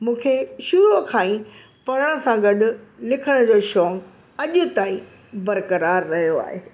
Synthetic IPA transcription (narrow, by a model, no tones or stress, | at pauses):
mũːkʰeʃʊɾukʰaːĩ | pɐɾəɽ̃ə̆sãɡɐɗʊ̆lɪkʰəɽ̃d͡ʑoːʃɔːŋɡ | ɐʄʊ̆t̪aːĩ | bɐɾkəɾaːɾːɐɦijoa̰ːɦeː